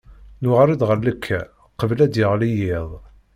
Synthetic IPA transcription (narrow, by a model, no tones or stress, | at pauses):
nʊʁaɾid̪ʁəɾləkʰːæ | qəvlæd̪jəʁlijɪðˤ